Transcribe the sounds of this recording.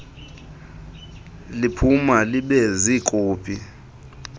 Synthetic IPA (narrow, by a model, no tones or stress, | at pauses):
lipʰumaliɓɛzikʼuːpʰʼi